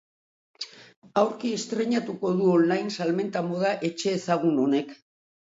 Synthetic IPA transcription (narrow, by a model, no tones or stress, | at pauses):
awɾkie̞st̪ɾe̞ɲat̪uko̞ðuo̞nlajnsalme̞nt̪amo̞ð̞aʔe̞t͡ʃe̞ːsaɣ̞uno̞ne̞k